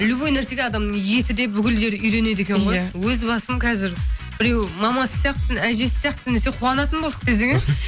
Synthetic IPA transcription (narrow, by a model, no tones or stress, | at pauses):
ɪlubojnæɾse̞ɡʲeɑd̪ɑmnəɴje̞t̪ɪd̪e̞bʏkʲɪlʒe̞ɾʏjɾe̞ne̞d̪e̞kʲe̞ɴʁojwɵzbɑsəmkʲʰɑzɪɾbɪɾe̞wmɑmɑsə̥sjɑq̚t̪əsɪnæjʒe̞sɪ̥sjɑqt̪sneseqʰuwɑnɑt̪ənbolˠd̪ə̥q̚d̪es̬e̞ŋɪz